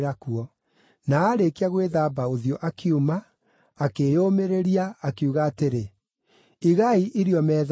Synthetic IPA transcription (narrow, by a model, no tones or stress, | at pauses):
ɾakuɔ | naːɾekeaɣweðaːbaoðjɔʔakʰiumaː | kejomeɾeɾiaːkeuɣaːteɾe | iɣaiʔiɾjɔmɛːð